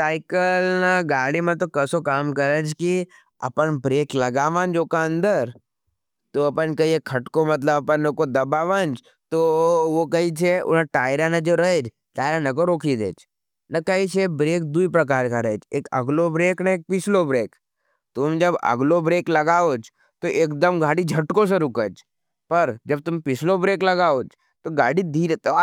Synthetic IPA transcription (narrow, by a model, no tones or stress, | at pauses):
saːɪkəlnɐɡaːɽimãt̪okɐsokaːmkɐɾəd͡ʒki | ɐ̰pənbɾeːklɐɡaːʋãːnd͡ʒokaə̃nd̪əɾ | t̪oɐpənkɐiekʰɐʈkomɐt̪ləbɐpənokod̪ɐbaːʋãnd͡ʒ | t̪oʋokɐit͡ʃʰeʊ̰nãʈaːɪɾanad͡ʒoɾɐed͡ʒ | ʈaːɪɾãnɐkoɾoːkʰid̪ḛːd͡ʒ | nɐkɐit͡ʃʰebɾeːk̚d̪uipɾɐk̬aːɾkaɾəed͡ʒeːkɐ̰ɡlobɾeːknaeːk̚pɪt͡ʃʰlobɾeːk | t̪ʊmd͡ʒɐbɐ̰ɡlobɾeːklɐɡaːoːd͡ʒ | t̪oʔeːkd̪əmɡaːɽid͡ʒʱɐʈkõs̬eɾʊkəd͡ʒ | pɐɾd͡ʒɐb̚t̪ʊmpɪt͡ʃʰlobɾeːklɐɡaːoːd͡ʒ | t̪oɡaːɽid̪ʱiːɾt̪